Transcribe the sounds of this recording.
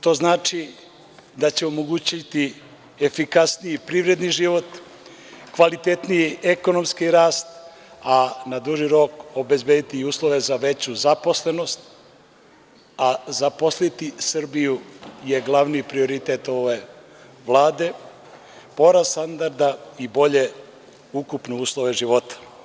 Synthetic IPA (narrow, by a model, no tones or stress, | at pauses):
t̪o̞ːznaːt͡ʃi | d̪at͡ɕeomoɡut͡ɕit̪i | efikasnijipɾivɾe̞d̪niʒiʋo̞t̪ | kʋalit̪et̪nijiʔeko̞no̞mskiɾaːst̪ | anad̪uʒiɾo̞ko̞be̞zbed̪it̪iuːslˠoʋe̞zaʋe̞t͡ɕuzapo̞sle̞no̞st̪̚ | azaposlit̪isrbijuje̞ɡlˠaʋnipɾio̞ɾit̪et̪o̞ʋe | ʋlˠaːd̪e̞ | po̞ɾast̪and̪aɾd̪aibo̞ʎe̞ | ukupneuːslˠo̞ʋe̞ʒiʋo̞t̪ḁ